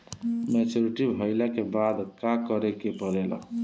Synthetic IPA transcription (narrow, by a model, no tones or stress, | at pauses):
met͡ʃoɾiʈibʱəɪlakebad̪kakəɾekepəɾelə̰